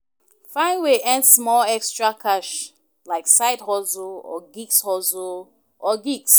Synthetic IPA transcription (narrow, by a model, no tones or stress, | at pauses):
fãɪ̃nweʔɛ̃ndsmɔlɛkstɹakʰaʃ | laɪksaɪdhɔzoɔ̰ɡikshɔzo | ʔɔɡiks